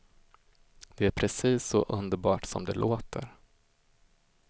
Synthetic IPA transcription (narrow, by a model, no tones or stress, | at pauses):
d̪ɛæɾpʰɾɛsiːsːɔ̰ʔɵnd̪əɾbɑːʈsɔ̰md̪ɛlʔoːt̪ʰəɾ